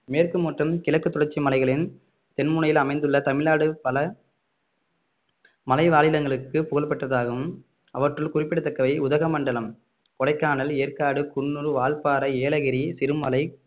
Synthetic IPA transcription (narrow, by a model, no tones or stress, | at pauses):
meːrkɯmoːʈrɐmkɪlɐkːɯt̪ːʊɽɐɾt͡ʃːimɐlɐɪɣɐɭɪn | t̪ɛnmʊnɐjɪlɐmɐɪnd̪ɯɭːɐt̪ɐmɪlaːɽɯpɐlɐ | mɐlɐɪʋaːlɪlɐŋɡɐɭɯkːɯpʊɣɐɭpːɐʈːɐðaːɣɐʋɯm | ɐ̰ʋɐʈrɯɭkʊrɪpːɪɽɐt̪ːɐkːɐʋɐɪʊðɐɣɐmɐɳɖɐlɐm | kɔɽɐɪkːaːnɐleːrkaːɽɯkʊɳːɯɾʋaːlpaːɾɐeːlɐɣɪɾisɪɾɯmːɐlɐɪ